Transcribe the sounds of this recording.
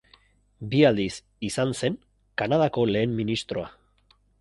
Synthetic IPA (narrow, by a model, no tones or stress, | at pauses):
biald̪is | isanse̞ŋ | kanað̞ako̞le̞ːmːinist̪ɾo̞a